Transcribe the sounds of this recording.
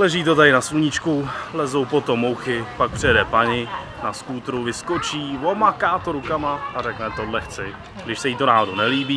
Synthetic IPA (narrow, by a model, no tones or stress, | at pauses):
lɛʒiːt̪o̞t̪aɾɪnasluɲɪt͡ʃkulɛzo̞wpo̞t̪o̞mːowxɪpak̚pr̝̥ɪjɛdɛpaɲɪ | naskuːt̪ɾuvɪskot͡ʃiːvo̞makaːt̪oɾukamaarɛknɛt̪odlɛxt͡sɪ | ɡdɪʃsɛjiːt̪onaːɦodunɛliːbiː